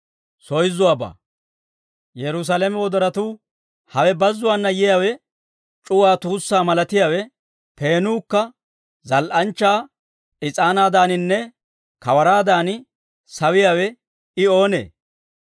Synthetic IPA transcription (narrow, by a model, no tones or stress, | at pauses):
sɔjzːʊwaːba̰ː | jɛɾʊs̬alɛmɛwɔd̪ɔɾɐt̪uː | hɐwɛbɐzːʊwaːnːɐjɪjaːwɛ | t͡ʃʼʊwaːt̪uːsːaːmɐlɐt̪ɪjaːwɛ | pe̞ːnuːkːɐ | zɐlʔɐnt͡ʃːaː | ɪt͡sʼaːnaːd̪aːnɪnːɛ | kɐwɐɾaːd̪aːn | sɐwɪjaːwɛ | ɪo̞ːnḛː